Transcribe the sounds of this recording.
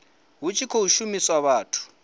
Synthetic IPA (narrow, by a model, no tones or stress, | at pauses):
ɦut͡ʃʰʼikʰouʃumiswaβaːtʰu̥